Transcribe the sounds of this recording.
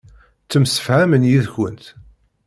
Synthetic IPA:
t͡sːəmsə̥fhæmənjiðçə̰nt̪

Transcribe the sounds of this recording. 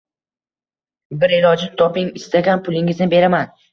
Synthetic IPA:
bɪɾelɒd͡ʒɪnt̪ʰɒpɪŋɪst̪ʰaɡʲanpʰʊlˠɪŋɪznɪbe̞ɾaman

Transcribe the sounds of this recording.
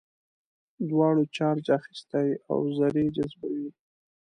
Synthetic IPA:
d̪wɑɽot͡ʃɑɾd͡ʒaxi̥st̪aja̰wzaɾed͡ʒazbawi

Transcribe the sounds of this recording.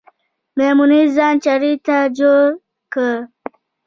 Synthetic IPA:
memunizɑːnt͡ʃaɾit̪ad͡ʒoɾ | kə

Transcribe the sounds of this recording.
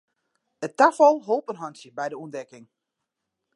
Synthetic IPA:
əttafɔlˠɦoːpənɦɔnsjəbɛjdəuəndɛkɪŋ

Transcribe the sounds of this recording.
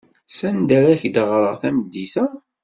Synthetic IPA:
sænd̪æɾæçd̪əʁɾəʁθæmd̪iθæ

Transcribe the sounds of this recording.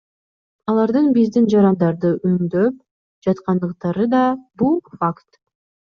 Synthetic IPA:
ɑlˠɑɾd̪ɯnbizd̪ind͡ʒɑɾɑnd̪ɑɾd̪ɯʔymd̪øp̚ | d͡ʒɑt̪qɑnd̪ɯqt̪ɑɾɯd̪ɑbulˠfakt̪

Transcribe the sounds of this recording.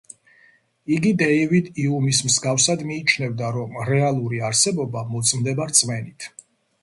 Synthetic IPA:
iɡid̪ɛivid̪iumismzɡafsad̪miːt͡ʃʰnɛvd̪aɾɔmɾɛalˠuɾiaɾsɛbɔbamɔt̪sʼmd̪ɛbaɾt̪sʼmɛnit̪ʰ

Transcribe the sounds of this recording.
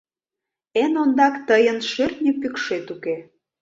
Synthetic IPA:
enond̪ɑkt̪əjənʃørt̪nʲipykʃet̪uke

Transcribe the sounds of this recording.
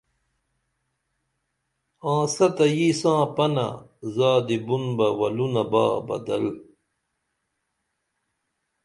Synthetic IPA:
ãːsɐt̪ɐjiːsãːpɐnɐ̰zaːd̪ibunbɐwɐlunɐba̰ːbɐ̰d̪ɐ̰l

